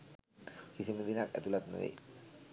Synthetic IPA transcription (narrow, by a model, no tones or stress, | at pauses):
kisimud̪inakɛ̰t̪ulat̪nṵɾḭ